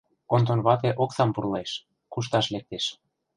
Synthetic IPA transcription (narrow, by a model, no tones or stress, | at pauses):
kont̪onβɑt̪̬eʔoksɑmpurlɑeʃ | kuʃ̬t̪ɑʃlek̚t̪eʃ